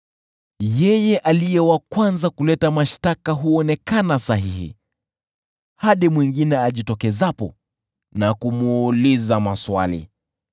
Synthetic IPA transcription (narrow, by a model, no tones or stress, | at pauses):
jɛjɛʔalijɛwakwanzakulɛtamaʃtakaɦuɔnɛkanasaɦihḭ | haɗimwiŋɡinɛaʄitɔkɛzapɔ̰ | nakumuːlizamaswa̰lḭ